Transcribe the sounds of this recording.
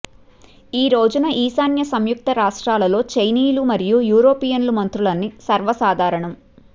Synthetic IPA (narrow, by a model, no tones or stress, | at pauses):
iːɾoːd͡ʒunɐʔiːsaːnjɐsɐmjuk̚t̪ɐɾaːʂʈɾaːlɐlo̞ːt͡ʃejniːlumɐɾijujuːɾoːpijɐnlumɐnt̪ɾulɐnːisɐɾʋɐsaːd̪ʱaːɾɐɳɐm